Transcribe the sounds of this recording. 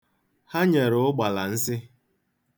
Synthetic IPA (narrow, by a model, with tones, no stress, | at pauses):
ha˦ɲe˨ɾʊ˨ʊ˦ɡ͡ba˨la˨n̩˦sɪ˦